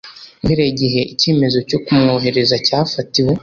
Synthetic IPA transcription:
iɾeɟiɦe̞ʔiceːme̞zo̞co̞kumŋoːɦe̞ɾe̞zacaːfatiwe̞

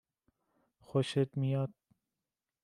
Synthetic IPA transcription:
xoʃet̪mijɑt̪̚

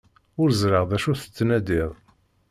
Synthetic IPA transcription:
ʊɾzɾəʁðæʃuθə̥t͡sːnæd̪ɪʁˤ

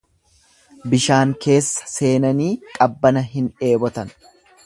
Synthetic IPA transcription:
bɪʃaːŋke̞ːsːɐ̥se̞ːnɐniːkʼɐbːɐnɐɦɪne̞ːbɔt̪ɐn

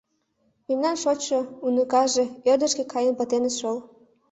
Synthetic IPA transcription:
memnɑnʃot͡ɕːɤunəkɑʒĕørd̪ə̆ʃkekʰɑjənpət̪eneʃol

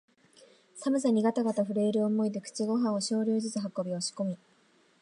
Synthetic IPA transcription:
samɯ̟s̬aɲ̟iɡat̪aɡat̪aɸɯ̟ɾe̞ːɾɯ̟omo̞id̪e̞kɯ̥t͡ɕiɡo̞ɦãɰ̃o̞ɕo̞ːɾʲoːzɨt͡sɨɦakːo̞bʲioɕi̥ko̞mʲi

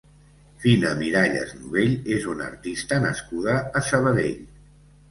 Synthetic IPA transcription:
finəmiɾaʎə̰znuβeʎezunə̰ɾt̪ist̪ənə̰skuð̞əːsəβəðḛʎ

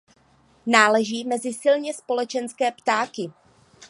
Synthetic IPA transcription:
naːlɛʒiːmɛzɪsɪlɲɛspo̞lɛt͡ʃɛnskɛːpt̪aːkɪ

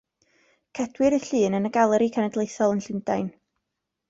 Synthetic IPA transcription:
kʰɛd̥wɪɾəɬɨːnənəɡalˠɛɾikʰɛnɛdlejθɔlˠənɬɪndajn

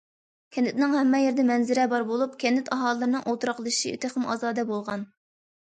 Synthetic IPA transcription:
kʲʰɛnɪt̪nɪŋhɛmːɛjeɾd̪ɛmɛnzɪɾɛbɑɾbolˠup̚kʲʰɛnɪt̪ʰɑɦɑlˠəːɨɾɨnɨŋʔolˠt̪ɾɑqlˠʃiḭt̪ʰɨχəmɑ̰ːzɑːd̪ɛbolˠʁɑn

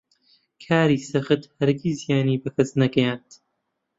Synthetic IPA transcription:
kʰaːɾiːsɐɣɨt̪hɐɾɡiːzijaːniːbɨkʰɐsnɐɡɐjaːnt̪

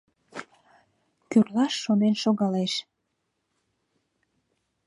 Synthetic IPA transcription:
kyrlɑʃːonenʃoɣɑleʃ

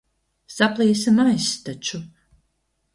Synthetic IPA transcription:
saplˠiːsɨmajst̪at͡ʃu

